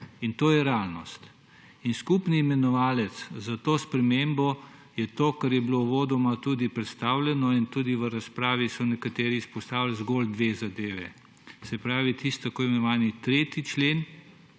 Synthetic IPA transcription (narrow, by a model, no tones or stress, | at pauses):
int̪oːjɛɾɛalnɔst̪ | inskupnimɛnɔʋaːlɛt̪szat̪oːspɾɛmembɔ | jɛt̪oːkaɾjɛbloʋoːd̪ɔmat̪uːd̪ipɾɛt̪st̪aːwlʲɛnɔint̪uːd̪iʋəɾaspɾaːʋisɔnɛkat̪eːɾiːspɔst̪aːwlzɡold̪ʋeːzad̪eːʋɛ | sɛpɾaːʋit̪ʰist̪t̪ːakoːjimɛnɔʋaːnit̪ɾeːt̪it͡ʃleːn